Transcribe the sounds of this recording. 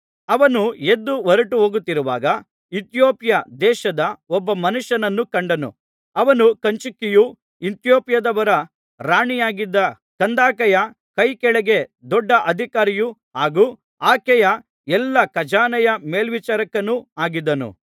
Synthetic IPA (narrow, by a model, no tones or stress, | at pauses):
ɐʋɐnued̪ːuʋɔɾɐʈuɦoːɡut̪ːiɾuʋa̰ːɡɐ | it̪joːpjɐd̪ɛːʃɐd̪ɐɔbːɐmɐnuʃjɐnɐnːukɐɳɖɐnṵ | ɐʋɐnukɐɲt͡ʃukːiju | int̪joːpjɐd̪ɐʋɐɾɐ | ɾaːɳijaːɡid̪ːɐ | kɐnd̪aːkɐjɐ | kɐjkɛɭɛɡe̞d̪ɔɖːɐʔɐd̪ʱikaːɾijuɦaːɡuː | aːkɛjɐ | ɛlːɐkɐd͡ʒaːnɐjɐmeːlʋit͡ʃaːɾɐkːɐnuaːɡid̪ːɐnṵ